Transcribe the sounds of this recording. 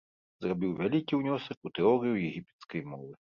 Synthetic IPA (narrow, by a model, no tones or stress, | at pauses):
zrabʲiwvʲalʲikʲiwnʲɔsɐkut̪ɛɔɾɨjujɛɣʲipʲɛ̥t̪skɐjmɔvɨ